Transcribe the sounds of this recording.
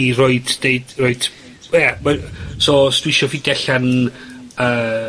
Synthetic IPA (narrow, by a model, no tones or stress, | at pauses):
iroɨd̥eɨdroɨd | jamasostwɪʃɔfidɛɬən | əː